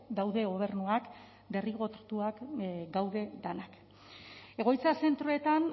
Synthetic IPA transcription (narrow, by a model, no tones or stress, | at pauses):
d̪awðe̞ɣo̞β̞e̞ɾnuak | d̪e̞riɣo̞t̪t̪uakɡawðe̞d̪anak | e̞ɣ̞o̞jt͡sase̞nt̪ɾoe̞t̪an